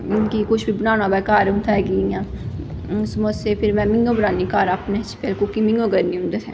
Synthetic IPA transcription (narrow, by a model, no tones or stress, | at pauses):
nkikʊt͡ʃʰbʱibənaːnabɛkaːɾũnt̪ʰaeɡijãː | smosepʰɪɾmɛ̃mɪ̃ŋɡõbənaːnikaːɾapnet͡ʃʰi̥peːlkukimɪ̃ŋɡõɡɐɾnĩũnd̪et̪ʰɛ̃